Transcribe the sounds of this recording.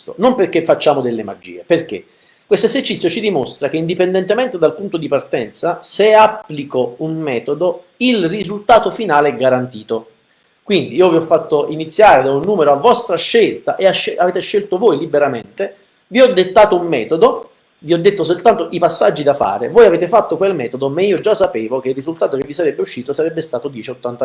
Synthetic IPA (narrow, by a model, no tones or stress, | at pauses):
t̪onomperk̟ːefːat͡ʃːaːmod̪elːema̰d͡ʒːḭːeperk̟ḛ | kːwest̪ezert͡ʃit̪sjot͡ʃid̪imost̪ɾak̟eind̪ipend̪ɛnt̪emɛnt̪ed̪alpunt̪od̪ipart̪ɛnt̪saseapːlikounmɛːt̪od̪oilrizult̪aːt̪ofinaːleɛɡːaɾant̪iːt̪o | kwind̪iiːoviɔfːat̪ːoinit̪sːjaːɾed̪aunːuːmeɾoavːɔst̪ɾaʃːelt̪aʔeaʃeaveːt̪eʃːelt̪ovojlibeɾamḛnt̪e | viɔd̪ːet̪ːaːt̪oumːɛːt̪od̪o | viɔd̪ːet̪ːosolt̪ant̪oʔipasːad͡ʒːid̪afa̰ːɾḛvoːjaveːt̪efat̪ːokwelmɛːt̪od̪omaiːod͡ʒasːapeːvokeirːizult̪aːt̪ok̟evːisaɾɛbːeuʃːiːt̪osaɾɛbːest̪aːt̪od̪jɛːt͡ʃot̪ːant̪a